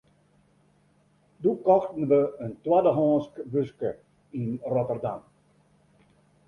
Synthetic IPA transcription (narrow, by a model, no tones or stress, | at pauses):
dukɔxtən̩ʋəəntwadəɦɔːskbøskə | inrɔtərda̰m